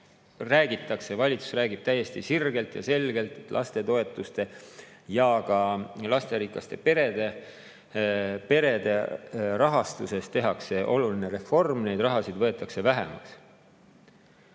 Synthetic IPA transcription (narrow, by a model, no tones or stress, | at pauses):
ræːɡit̪ːˑɑkse̞vɑlʲit̪su̥sræːɡib̥̚t̪æjːe̞st̪isirɡe̞lt̪jɑ̰se̞lɡ̥e̞lt̪ˑe̞t̪ːlʔɑ̰st̪e̞t̪o̞e̞t̪ːˑust̪e̞jɑɡ̥ɑlɑst̪e̞ɾikːˑɑst̪e̞pe̞ɾe̞d̪̥e̞ | pe̞ɾe̞d̪̥e̞rɑɦɑst̪use̞st̪e̞ɦɑkse̞ʔo̞lulineɾe̞fo̞rmne̞jd̪̥rɑɦɑsid̪̥vɤ̞e̞t̪ːˑɑkse̞væɦḛmɑ̰ks